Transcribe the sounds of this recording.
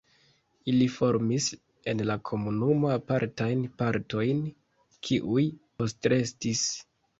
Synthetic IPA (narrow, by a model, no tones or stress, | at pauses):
ilifo̞ɾmis | e̞nlakʰo̞munumoapaɾtajnpaɾto̞jn | kʰiʔujpo̞stɾe̞stis